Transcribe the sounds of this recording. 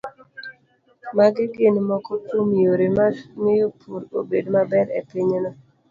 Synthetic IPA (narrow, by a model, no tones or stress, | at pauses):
maɡɪɡɪnmɔkɔkomijoɾemaŋɪjopʰuɾo̰bedmabɛɾḛpiɲnɔ